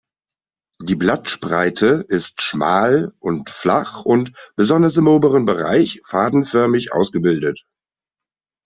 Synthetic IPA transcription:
d̥iːblatʃpʁaɪtʰəʔɪstʃma̰ːlʔʊntfla̰χʊntb̥əzɔndɐsɪmʔoːbəʁənbəʁa̰ɪçfaːdn̩fœɐmɪçʔa̰ʊsɡ̥əbɪldət

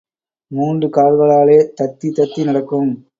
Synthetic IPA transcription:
muːndrɯkaːɭɣɐɭaːleːt̪ɐt̪ːit̪ɐt̪ːinɐɽɐkːɯm

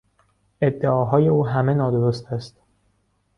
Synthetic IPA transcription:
e̞d̪ːe̞ɒːɦɒːje̞uːɦæme̞nɒːd̪o̞ɾost̪ʰæst̪

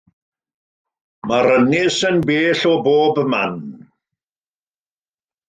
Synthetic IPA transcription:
maɾənɪsənbeːɬɔboːbma̰n

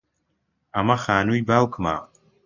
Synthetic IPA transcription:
ɐmɐxaːnuːjbaːwkʰɨma̰ː

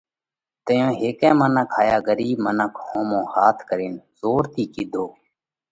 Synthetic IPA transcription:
t̪əjõːɦeːkɛ̃ːmənəkʰɦaːjaːɡəɾiːbmənəkʰhõːmõːhaːt̪ʰkəɾiːnzoːɾt̪iːkɪd̪ʱoː

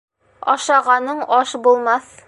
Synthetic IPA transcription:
ɒ̰ʃɑʁɑnɤɴɒʃbulˠmɑθ

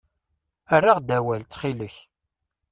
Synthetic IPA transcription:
ərːaʁd̪æwælt͡sːχiləç

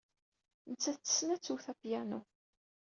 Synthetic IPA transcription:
nət͡sːæθt͡sːə̥snæt͡sːuθæpjænu

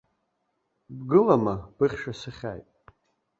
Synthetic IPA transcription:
bɡɨlamab̥ɨχʲʃasɨχʲa̰jtʼ

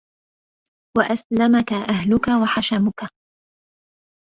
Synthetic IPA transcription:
waʔaslamakaʔaɦlʊkawaħaʃamʊka

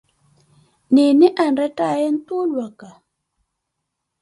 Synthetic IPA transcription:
niniʔanɾɛtajɛn̩t̪ulwaka

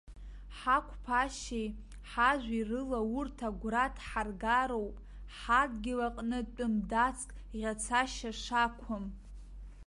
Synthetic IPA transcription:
ħakʷʰpʰaʃej | ħaʒʷirɨlaurtʰaɡʷratʰħarɡaɾowpʼ | ħadɡʲɪlaqʼnɨtʼɨmdat͡sʰkʼ | ʁʲat͡sʰaʃaʂakʷʰʊm

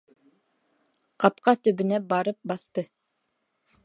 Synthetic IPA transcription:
qɑpqɑt̪ɵ̆βɵ̆næbɑɾɤp̚bɑθt̪ɤ

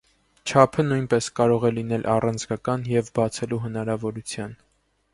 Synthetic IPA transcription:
t͡ʃʰɑpʰənujnpɛskɑɾɔʁɛlinɛlʔɑrɑnd͡zɡɑkɑnjɛvbɑt͡sʰɛluɦənɑɾɑvɔɾut͡sʰjɑn

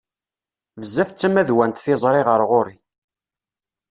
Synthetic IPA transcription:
vəzːæft͡sːæmæðwænt̪θɪzˤɾˤɪʁəɾˤʁoɾi

